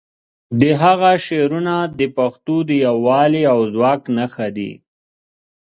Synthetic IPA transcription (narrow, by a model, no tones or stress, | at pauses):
d̪əɦaɣaʃeɾunad̪əpaxt̪od̪əjawːɑleawzwɑːknaxad̪ḭ